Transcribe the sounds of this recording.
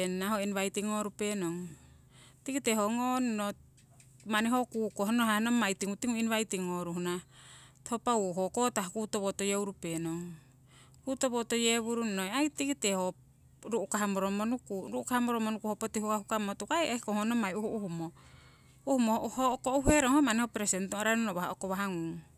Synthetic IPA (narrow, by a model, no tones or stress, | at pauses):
enaɦoinβajtiŋo̞ɾupe̞noŋ | tikiteɦoŋonno | maniɦokukoɦonoɦanomajtiŋutiŋuinβajtiŋoɾuhunathopauɦokotahkutoβotojeuɾupe̞noŋ | kutoβotojeβuɾunnojajtikiteho | ɾuʔukaɦamoɾomonukuɾuʔukahamoɾomonukuhopotihukahukamotukaeehkoŋonomajuhuʔuhumo | uhumohokouɦeɾoŋhomanihopɾesentoɾanonoβaha̰okoβaɦaŋuŋ